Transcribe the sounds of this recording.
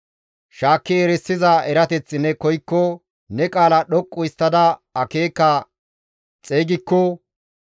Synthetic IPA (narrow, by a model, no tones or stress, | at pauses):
ʃaːkːɪɛɾɛsːɪzɐʔɛɾɐt̪ɛt͡sːɪnːɛkɔjkːɔ | nɛkʼaːlɐɗɔkʼːʊɪst̪ːɐd̪ɐɐkeːkːɐ | t͡sʼeːɡɪkːɔ